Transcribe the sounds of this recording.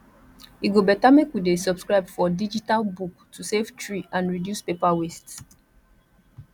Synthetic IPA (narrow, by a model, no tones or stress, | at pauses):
iɡobɛtamekwidesɔbskɹaɪbfɔdid͡ʒitalbuktʰusevtɹiʔãnɹidjuspepawests